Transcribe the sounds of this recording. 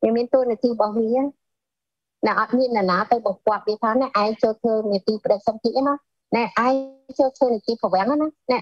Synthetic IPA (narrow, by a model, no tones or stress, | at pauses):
ʋiəmiənt̪uəniət̪iːɓɑhniə | nɛʔɑt̪̚miənːanaːt̪ɨwɓɑŋkŏət̪̚ɗiːt̪ʰaːnɛʔaɛŋt͡ɕoːlt̪ʰəːniət̪iːpə̆ɗək̚səmt̪ʰiət̪ʔana | naʔaɛt͡ɕoːlt̪ʰʋəːniət̪iːpʰɔʋɛ̆əŋanana